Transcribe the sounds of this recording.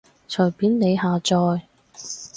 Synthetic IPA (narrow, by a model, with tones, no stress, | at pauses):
t͡ʃʰœ˨˩jpiː˨˥nne˨˧jhaː˨˧t͡sɔː˧j